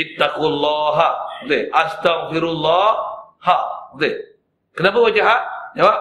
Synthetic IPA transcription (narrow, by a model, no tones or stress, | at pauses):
ɪt̪ːaqulˤːaːɦat̪eʔast̪aɣfɪɾlːɑːhat̪e | kənabəwad͡ʒaɦad͡ʒawa